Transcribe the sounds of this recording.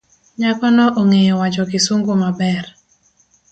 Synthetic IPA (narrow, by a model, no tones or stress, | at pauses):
ɲakɔnɔʔoŋejɔwad͡ʒɔkɪsoŋɡomabɛr